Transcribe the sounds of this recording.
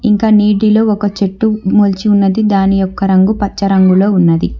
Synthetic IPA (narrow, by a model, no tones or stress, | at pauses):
iŋkaːniːɖilo̞ːɔkɐt͡ʃeʈːumoːlt͡ʃiunːɐd̪id̪aːnijɔkːɐɾɐŋɡupɐt͡ʃːɐɾɐŋɡulo̞ːunːɐd̪i